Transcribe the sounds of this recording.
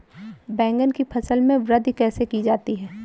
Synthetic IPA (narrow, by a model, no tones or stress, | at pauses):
bɛ̃ːŋɡənkipʰɐsəlmẽʋɾəd̪ʱkɛːsekid͡ʒaːt̪iɦɛː